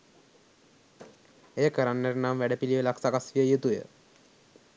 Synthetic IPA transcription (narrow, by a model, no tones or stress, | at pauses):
eːkəɾanːeɾnamʋɛɖəpiliʋelaksakasʋijəjet̪ujə̰